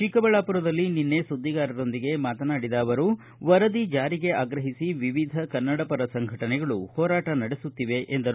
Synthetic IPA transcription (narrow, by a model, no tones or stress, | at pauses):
ʃikɐbɐɭaːpuɾɐd̪ɐlːininːe̞sud̪ːiɡaːɾɐɾo̞nd̪iɡe̞maːt̪ɐnaːɽid̪aːʋɐɾu | ʋɐɾɐd̪id͡ʒaːɾiɡe̞aːɡɾɐɦisiʋiʋid̪ʱɐkɐnːɐɽɐpɐɾɐsɐŋɡʱɐʈɐnɛɡɐɭuhɔːɾaːʈɐnɐɽesut̪ːiʋe̞ʔʔend̪ɐɾu